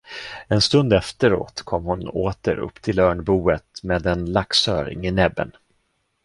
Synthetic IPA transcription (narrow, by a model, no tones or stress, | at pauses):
ɛnst̪ɵnd̪ɛft̪əɾo̰ːt̪kʰɔmːhʊnoːt̪ə̰ɾɵ̰pːt̪ʰɪlœːɳbuːət̪meːd̪ɛnlaksœːɾɪ̰ŋɪnɛbːə̰n